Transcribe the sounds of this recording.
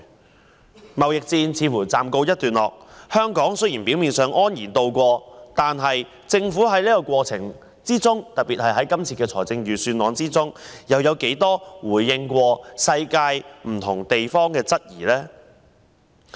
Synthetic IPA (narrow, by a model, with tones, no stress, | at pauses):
mɐ˨wjɪ˨k̚t͡siː˧nt͡sʰiː˨˧fuː˨˩t͡saː˨mko˧wjɐ˥t̚t̪yː˨nlɔː˨k̚hœː˥ŋkɔː˨˥ŋsɵ˥jiː˨˩npi˨˥wmiː˨nsœː˨ŋʔɔː˥njiː˨˩nt̪o˧wkʷɔː˧t̪aː˨nɦɐ˨j | t͡sɪ˧ŋfuː˨˥ɦɐ˨˥jliː˥kɔː˧kʷwɔː˧t͡sʰɪ˨˩ŋ | t͡siː˥t͡sʊ˥ŋt̪ɐ˨t̚piː˨t̚hɐ˨jɦɐ˨˥jkɐ˥mt͡sʰiː˨˩kɛː˧t͡sʰɔː˨˩jt͡sɪ˧ŋɥyː˨˩syː˧nlɔː˨˥ŋt͡siː˥t͡sʊ˥ŋjɐ˨wjɐ˨˧wke˨˥jt̪ɔː˥wuː˨˩jːɪ˧ŋkʷɔː˧sɐ˧jkaː˧jm̩˨˩t̪ʰʊ˨˩ŋt̪e˨jfɔː˥ŋkɛː˧t͡sɐ˥t̚jiː˨˩lɛː˥